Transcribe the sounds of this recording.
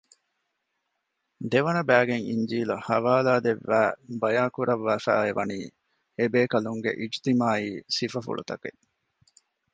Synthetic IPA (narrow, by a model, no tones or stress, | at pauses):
d̪eʋɐnɐbæːɡeŋḭɲd͡ʒiːluhɐʋaːlaːd̪eʋːæːbɐjaːkuɾɐʋːæːfæ̰ːeʋɐniː | ebeːkɐluŋɡḛʔid͡ʒt̪imaːiːsifɐfṵɭṵt̪ɐke